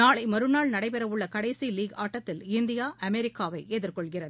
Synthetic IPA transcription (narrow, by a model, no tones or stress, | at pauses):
naːɭɐɪmɐɾɯnaːɭnɐɽɐɪpɛɾɐʋɯɭːɐkɐɽɐɪsiliːɡaːʈːɐt̪ːɪlɪnd̪ɪjaːʔɐmɛɾɪkːaːʋɐɪʔeːðɪrkɔɭɣɪrɐð